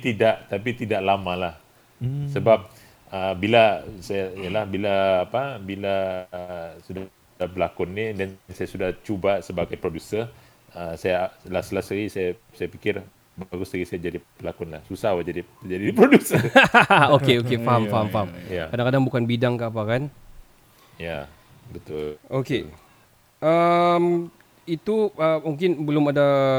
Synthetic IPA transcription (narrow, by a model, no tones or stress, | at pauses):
t̪idaʔt̪apit̪idaʔlamãlah | səbap̚ | əbilasajaijalahbilaːpabila | suda | dahbəlakʊnːidannsajasudaht͡ʃubasəbaɡajpɾodusər | əsajalasəlasaisaja | sajapikɪr | baɡʊsdaɡisajad͡ʒadibəlakʊnlahsusawad͡ʒadit̪d͡ʒadidipɾodusə | okeokefaɦamfaɦamfaɦamjakadaŋkadaŋbukanbidaŋkaːpakan | ja | bət̪ʊlʔoke | əm | it̪uəmuŋkɪnbəlʊmada